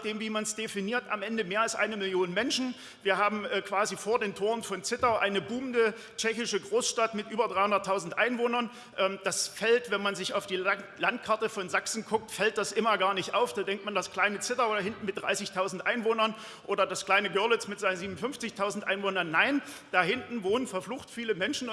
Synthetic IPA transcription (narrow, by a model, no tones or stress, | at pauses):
d̥eːmviːmansd̥efiniːɐta̰mʔɛndəmeːɐalsʔa̰ɪnəmɪljoːnəmɛnʃn̩ | viːɐhaːbm̩ʔɛːkv̥aːzifoːɐdeːntʰoːʁənfɔnt͡sɪtaʊʔaɪnəbuːmndə | t͡ʃɛçɪʃəɡʁoːsʃtatmɪtʔyːbɐdʁaɪhʊndɐtʰːaʊzn̩tʔaɪnvoːnɐn | ʔɛːmd̥asfɛltvɛnmanzɪçaʊfd̥iːlant̚kʰaɐtəfɔnzaksn̩kʰʊk̚tfɛlt̚d̥asʔɪmɐɡaːɐnɪçtʔaʊfd̥aːdɛŋk̚tmandaskl̥aɪnət͡sɪtaʊdahɪntn̩mɪt̚d̥ʁa̰ɪsɪçtʰaʊzn̩tʔaɪnvoːnɐn | ʔoːdɐdaskl̥aɪnəɡœɐlɪt͡smɪtz̥aɪnnziːmn̩fʏnft͡sɪçtʰaʊzn̩tʔaɪnvoːnɐnːaɪnd̥aːhɪntn̩voːnənfɛɐfluːxtfiːləmɛnʃn̩